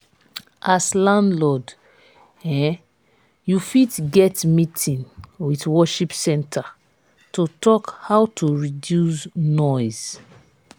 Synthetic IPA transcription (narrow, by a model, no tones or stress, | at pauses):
ʔaslãndlɔd | ɛ̃ | jufitɡɛtmitʰĩnwitwɔʃipsɛ̃ntʰa | totɔkhawtʰuɹidjusnɔjz̥